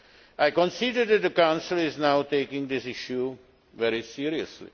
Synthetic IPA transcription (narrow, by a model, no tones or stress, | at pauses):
aɪkɔ̃nsidəɾd̪ɛʈ̚d̪əkãʊ̃nsɪlɪznaʊʈeːkɪ̃ŋd̪ɪsɪʃju | ʋɛɾisiːɾiə̰slḭ